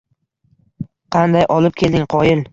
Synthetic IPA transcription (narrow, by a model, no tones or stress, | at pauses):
qʰɑnd̪ajʔɒlˠɪp̚kʲʰe̞ld̪ɪŋqʰɒjɪl